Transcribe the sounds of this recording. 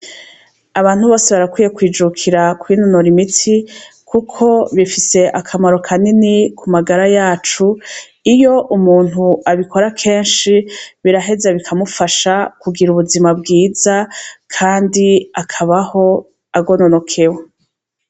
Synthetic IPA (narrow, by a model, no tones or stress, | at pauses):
aβaːn̥huβo̞ːseβaɾakwiːje̞kwiːd͡ʒukʰiɾakwiːnonoɾimitʰi | kʰukʰo̞βifise̞ʔakʰamaɾo̞kʰaninikʰumaɡaɾajaːt͡ʃu | ijo̞ʔumuːn̥huaβikʰo̞ɾakʰe̞ːnʃiβiɾaɦe̞zeβikʰamufaʃakuɡiɾuβuzimab̚ɡiːzakʰaːndiakʰaβaho̞ | aɡo̞nono̞kʰewe